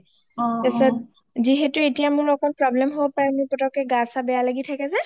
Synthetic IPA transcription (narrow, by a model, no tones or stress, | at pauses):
tɛsɔt | ziɦetuetijamʊɹlɔkʰɔnpɹɔblɛmɦobɔpaɹɛmipɔtɔkɛɡasabɛjalaɡitʰakɛsɛ